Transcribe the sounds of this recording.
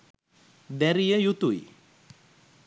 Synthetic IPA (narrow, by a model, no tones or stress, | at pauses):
d̪æɾijəjut̪uj